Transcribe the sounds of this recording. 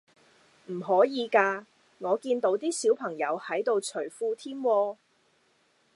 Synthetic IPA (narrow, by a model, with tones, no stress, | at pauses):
m̩˨˩ɦɔː˨˥jiː˨˧kaː˧ | ŋɔː˨˧kiː˧nt̪o˨˧˥wt̪iː˥siː˨˥wpʰɐ˨˩ŋjɐ˨˧whɐ˨˥jt̪o˨wt͡ʃʰɵ˨˩ɥfuː˧t̪ʰiː˥mwɔː˧